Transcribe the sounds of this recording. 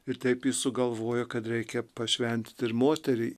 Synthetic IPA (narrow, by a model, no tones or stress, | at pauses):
ɪɾt̪ʲɛɪpjɪsʊɡɐlˠʋoːjoːkɐt̪ɾʲɛɪkʲɛpɐʃʲʋʲɛnʲt̪t̪ɪɾmoːt̪ʲɛɾʲɪɪ